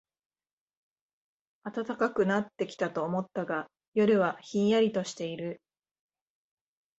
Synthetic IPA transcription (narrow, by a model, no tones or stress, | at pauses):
at̪at̪akakɯ̟nat̪ːe̞kʲi̥t̪at̪o̞ːmo̞t̪ːaɡa | jo̞ɾɯ̟βaçĩɰ̃jaɾʲit̪o̞ɕi̥t̪e̞iɾɯ̟